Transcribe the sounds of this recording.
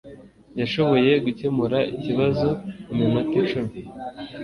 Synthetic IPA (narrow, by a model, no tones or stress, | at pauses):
jaʃo̞βo̞je̞ɡuce̞muɾaiciβazo̞umimakit͡ʃuɾi